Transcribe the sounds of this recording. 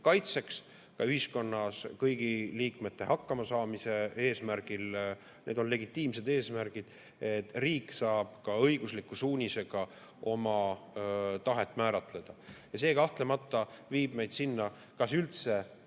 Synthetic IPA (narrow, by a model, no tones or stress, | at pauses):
kɑjt̪se̞ks | kɑyhisko̞nːɑskɤjɡ̥iliːkme̞t̪ːe̞hɑkːɑmɑsɑːmise̞e̞ːsmæɾɡ̥il | nʔe̞̰ːd̪o̞nle̞ɡit̪ːˑiːmse̞d̪e̞ːsmæɾɡ̥id̪̥ | et̪ːriːkːˑsɑːb̥kɑɤjɡ̥uslikːˑusuːnʲise̞ɡ̥ɑ | o̞mɑ | t̪ɑɦe̞t̪ːˑmæːɾɑt̪ˑle̞d̪̥ɑjɑse̞ːkɑht̪le̞mɑt̪ˑːɑviːb̥me̞jd̪̥sinːɑ | kɑsylt̪se̞